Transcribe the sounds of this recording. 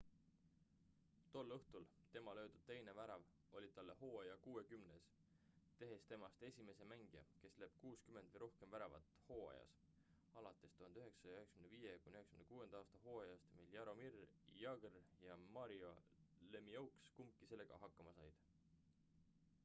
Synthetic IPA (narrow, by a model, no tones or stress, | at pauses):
t̪o̞lːɤht̪ul | t̪e̞mɑlø̞ːd̪̥ud̪̥̚t̪e̞jne̞væɾɑv | o̞lʲid̪̥̚t̪ɑlːe̞ho̞ːɑjɑkuːe̞kymnes | t̪e̞ɦe̞st̪e̞mɑst̪e̞sʲime̞se̞mæŋɡ̥ijɑ̰ke̞sle̞ːb̥kuːskymed̪̥vəjɾo̞hke̞mvæɾɑvɑ̰t̪ˑho̞ːɑ̰jɑ̰s | ɑlɑt̪ːˑe̞st̪uhɑnd̪yɦe̞ksɑ̥ɑyhekskymnevijekujnʲyhekskymnekuːe̞nd̪̥ɑɑːst̪ɑɦo̞ːɑjɑst̪miljɑɾo̞mirjɑɡ̥rjɑmɑɾiolemiɑwkskumkːˑise̞lːe̞ɡ̥ɑ̰ɦɑkːˑɑmɑsɑjd̪̥